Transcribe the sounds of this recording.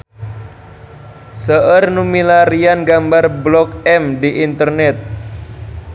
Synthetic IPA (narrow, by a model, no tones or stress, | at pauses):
səʔərnumilaɾianɡambarblɔkɛmdiʔint̪ərnɛt̪̚